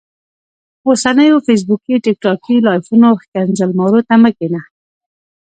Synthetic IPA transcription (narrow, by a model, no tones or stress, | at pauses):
osanəjofes̬bukiʈɪk̚ʈɑkilɑjfunoxkanzalmawɾot̪aməkena